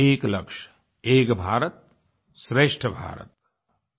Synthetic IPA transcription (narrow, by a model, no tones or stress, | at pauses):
eːklɐkʃ | eːkbʱaːɾət̪̚ | sɾeːʂʈʰəbʱa̰ːɾə̰t̪̚